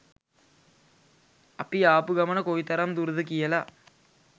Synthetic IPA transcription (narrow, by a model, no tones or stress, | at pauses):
ɐpːijaːpɯɡɐmɐnɐkoːjit̪ːɐɾaːmd̪uɾðɯkijɐla